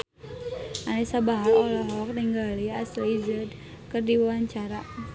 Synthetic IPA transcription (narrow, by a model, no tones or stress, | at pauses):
anɛsabaɦaɔlɔɦɔk̚niŋɡaliaslizəd | kɨrdiwawaɲt͡ʃaɾa